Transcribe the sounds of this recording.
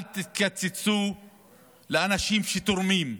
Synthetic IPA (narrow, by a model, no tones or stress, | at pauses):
t̪it̪lat͡set͡su | leanaʃimʃet̪oɾmim